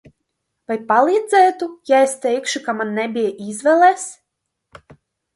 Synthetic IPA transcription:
vajpalˠiːd̪zɛːt̪ujaest̪ɛjkʃukamanːɛbʲijʔizvɛlˠɛs

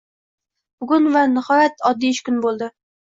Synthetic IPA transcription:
b̥ʊɡʊnvanɪhɒjat̪ɒd̪ːiɪʃkʊnbolˠd̪ɪ

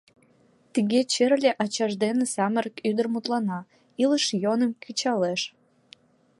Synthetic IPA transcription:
t̪iɣet͡ɕerlʲeʔɑt͡ɕɑʒd̪enesɑməɾəkyd̪ərmut̪lɑnɑ | iləʃjonəmkʰyt͡ɕɑleʃ

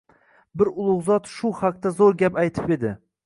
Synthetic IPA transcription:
bɪɾʊlˠʊʁzɒt̪ʃʊhaq̚t̪azoɾɡʲapajt̪ʰɪpe̞d̪ɪ

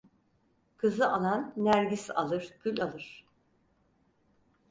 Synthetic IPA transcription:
kʰɯzɯʔalˠanːæɾɟisa̰lˠɯɾ̥bylʲalˠɯɾ̝̥

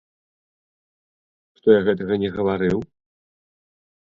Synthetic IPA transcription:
ʂt̪ɔjaɣɛt̪̬ɐɣɐnʲɛɣɐvaɾɨw

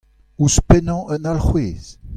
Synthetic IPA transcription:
uspɛnɑ̃ʔənalχweːz̥

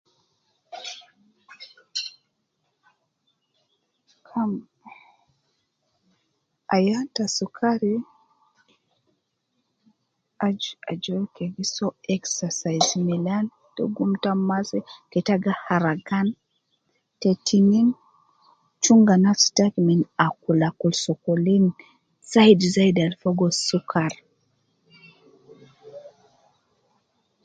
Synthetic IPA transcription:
kʰam | ajatasukʰaɾi | aa̰d͡ʒɔɾkɛɡisɔɛksasajzmɛlan | dɔ̰ɡumtamasɛkɛtaɡahaɾaɡan | tɛtʰinin | t͡ʃuŋɡanastakminakulakulsɔkɔlin | saidzaidalfɔɡɔsukaɾ

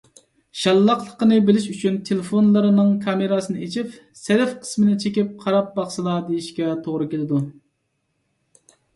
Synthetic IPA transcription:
ʃɑlˠːɑqlˠəqənɨbɪlɪʃyt͡ʃʰynt̪ʰelɪfonlˠɨɾɨnɨŋkʰɑmeɾɑsɨnɨet͡ʃʰip | sɛɾɛfqʰə̥smɪnɪt͡ʃʰekʲip̚qʰɑɾɑp̚bɑχʃɨlˠɑd̪ejiʃkʲɛt̪ʰoʁɾɨkʲelˠɪd̪u

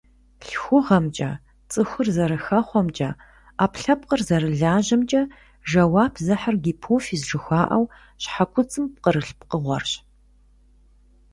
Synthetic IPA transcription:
ɬxʷʊʁɐmt͡ʃʼɐ̰ | t͡sʼɨxʷʊrzɐɾɨxɐχʷɔmt͡ʃʼɐ̰ | aːpɬɐp̚qərzɐɾɨɮaːʒɐmt͡ʃʼɐ | ʒɐwaːpʰzɐħarɡʲiːpʰoːfiːzʒɨxʷaːʔɐw | ɕħakʷʰʊt͡sʼɨmp̚qəɾɨɬpqəʁʷɔ̰rɕ

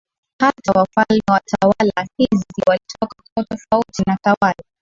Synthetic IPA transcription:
hatawafalmɛwatawalahiziwalitʰɔkakuatɔfautinatawala

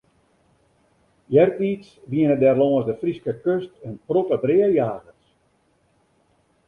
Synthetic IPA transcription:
jɛrpiːtsʋiənədɛrlɔːəsdəfriskəkøstənprotədrɪəjaːɣəs

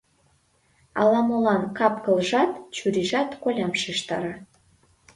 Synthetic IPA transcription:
ɑ̰lɑmɤlɑnkɑpkɤ̆lʒɑt̪t͡ɕyɾiʒɑt̪kolʲɑmʃiʃt̪ɑ̰ɾɑ

